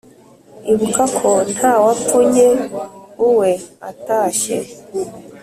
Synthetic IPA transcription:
iβukakʰon̥haːwafuɲeuweataːʃḛ

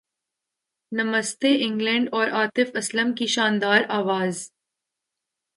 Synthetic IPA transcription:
nɐməst̪eʔɪ̃ŋɡlɛ̃ɳɖɔːɾʔaːt̪ɪfɐsləmkiʃaːnd̪aːɾaːʋaːz

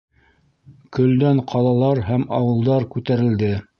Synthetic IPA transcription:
kɵ̆ld̪æɴqʰɑlˠɑlˠɑɾɦæmɑwɤ̆lˠd̪ɑɾkʉt̪æɾɘ̆ld̪ɘ

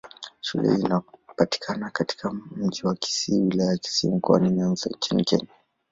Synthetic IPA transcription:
ʃṵlʔɛ̰inapati̥kʰanakati̥kʰam̩ʄiwaki̥siwilajaaki̥siːm̩kɔa̰niɲanzɔ̰ɲt͡ʃinikɛ̰ɲa

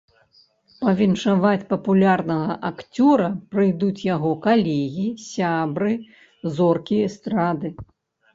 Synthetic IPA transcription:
pɐvʲinʂavat͡sʲpɐpulʲarnɐɣɐʔakt͡sʲɔɾɐpɾɨjd̪ut͡sʲjaɣɔkalʲɛɣʲisʲabɾɨ | zɔrkʲiɛst̪ɾad̪ɨ

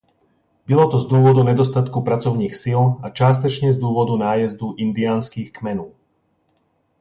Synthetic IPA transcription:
bilɔt̪ɔzd̪ʊuːʋɔd̪uɲɛd̪ɔst̪at̪kupɾat͡sɔʊniːxsilat͡ʃɪaːs̬t̪ɔt͡ʃɲɛzd̪ʊuːʋɔd̪unaːjɛzd̪uʔind̪iaːnskiːxkmɛnuː

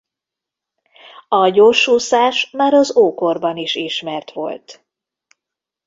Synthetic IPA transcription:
ɒɟoːrʃuːsaːʃmaːɾɒzoːkorbɒniʃiʃmɛrt̪ʋo̞̰lt̪

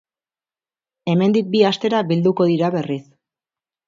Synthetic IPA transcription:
e̞me̞nd̪ik̚biast̪e̞ɾaβild̪uko̞ðiɾaβe̞ris

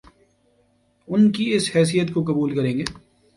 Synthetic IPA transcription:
ʊnkiɪshɛːs̬ijət̪kokɐbuːlkɐɾẽːŋɡeː

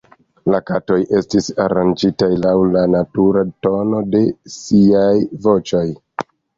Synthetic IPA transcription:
lakato̞jʔe̞stisaɾand͡ʒitajlawlanatuɾato̞no̞de̞siajvo̞t͡ʃo̞j

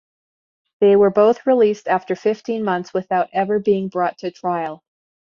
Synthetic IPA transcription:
ðeɪwə˞boʊθɹilistæftə˞fɪftʰĩnmʌ̃nθswɨθaʊɾɛvə˞biɪ̃ŋbɹɔtʰɨtʰɹ̥aɪl̩ˠ

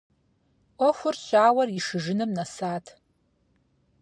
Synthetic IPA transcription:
ʔʷɔxʷʊrɕʷaːwɐriʂɨʒɨnɨmnɐsaːtʰ

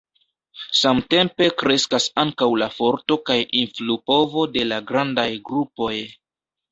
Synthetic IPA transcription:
samte̞mpe̞kɾe̞skasaŋkawlafo̞ɾto̞kajʔinflupo̞vo̞de̞laɡɾandajɡɾupo̞j

